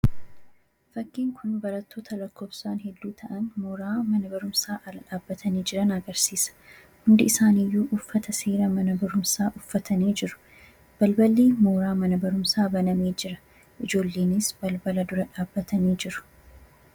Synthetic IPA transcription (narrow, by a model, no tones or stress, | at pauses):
fɐkːiːŋkʰʊnbɐɾɐt̪ːo̞ːt̪ʰɐlɐkːoːbsaːnhɛd̪ːuːt̪ʰɐʔɐnmoːɾaːmɐnɐbɐɾʊmsaːʔɐlɐᶑaːbːɐt̪ʰɐniːd͡ʒɪɾɐnɐɡɐɾsiːsɐ̥ | hʊnd̪ɪɪsaːnɪjːuːʔʊfːɐt̪ɐseːɾɐmɐnɐbɐɾʊmsaːʔʊfːɐt̪ʰɐniːd͡ʒɪɾʊ̥ | b̥ɐlbɐlːeːmoːɾaːmɐnɐbɐɾʊmsaːbɐnɐmeːd͡ʒɪɾɐ | ʔɪd͡ʒo̞ːlːe̞ːnɪsbɐlbɐlɐd̪ʊɾɐᶑaːbːɐt̪ɐniːd͡ʒɪɾʊ̥